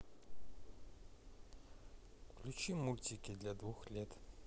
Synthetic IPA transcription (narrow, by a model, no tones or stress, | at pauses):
kkʰlʲut͡ʃimulʲtʲikʲid̪lʲad̪vuxlʲɛt̪